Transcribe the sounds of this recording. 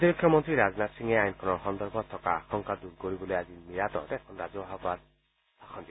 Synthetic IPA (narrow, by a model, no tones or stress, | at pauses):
t̪ibikʰːjɔmɔnt̪ɾiɾaznat̪siŋeajnkʰɔnɔɾxɔnd̪ɔɾbɔt̪ʰːɔkaːxʰɔŋkad̪uɾɡoɾibɔlojazimiɾat̪ɔ̰t̪ɛkʰɔnɾazɔaɦabaɾ | saxʰɔnd̪i